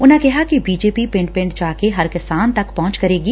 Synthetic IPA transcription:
ʊnɦẽkɛɦakibiːd͡ʒeːpipɪ̃ɳʈ̚pɪ̃ɳɖt͡ʃaːkeɦɐɾkɪsaːnt̪ɐkpɔɦʊ̃nt͡ʃkɐɾeːɡiː

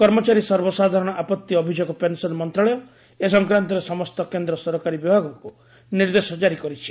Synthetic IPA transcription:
kɔɾmɔt͡ʃaɾisɔɾbɔsad̪ʱaɾɔɽ̃ɔʔapɔt̪ːiɔbʱid͡ʒoɡɔpensɔlmɔnt̪ɾaɭɔjɔ | esɔŋkɾant̪ɔɾesɔmɔst̪ɔkend̪ɾɔsɔɾɔkaɾibibʱaɡɔŋku | niɾd̪esɔd͡ʒaɾikɔɾit͡ʃʰi̥

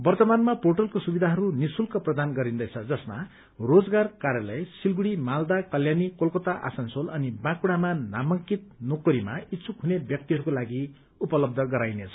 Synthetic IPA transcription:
bʌrt̪ʌbanmaporʈʌlkosubid̪ʱaɦʌɾunisulkʌprʌd̪anɡʌɾind̪ʌjt͡sʰʌd͡zʌsma | rod͡zɡarkaɾjʌlʌjsilɡuɽimald̪akʌljanikolkot̪aʔa̰sʌnsolʌnibãkuɽ̃amanamʌŋkit̪̚nokʌɾimaitːsʰukɦunebjʌk̚t̪iɦʌɾukolaɡi | upʌlʌb̚d̪ʱʌɡʌɾajnet͡sʰʌ̥

